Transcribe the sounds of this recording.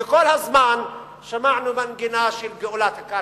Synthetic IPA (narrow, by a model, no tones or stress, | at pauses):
ɪkʊlhazmaːn | ʃamaʕnumanɡɪnaːʃɪlɡɪʔulat̪akːa